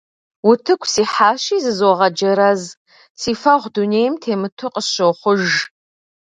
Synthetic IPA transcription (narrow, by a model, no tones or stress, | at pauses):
wʊtʰɨkʷʰʼsiːħaːʃiːzɨzwoɔʁɐd͡ʒɐɾɐz | siːfɐʁʷduneːjmtʰeːmɨtʰʊqʼəsɕoχʷʊʒ